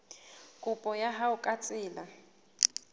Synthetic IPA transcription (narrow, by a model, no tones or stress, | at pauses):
kʼʊpʼɔjaɦaʊkʼat͡sʼɪːla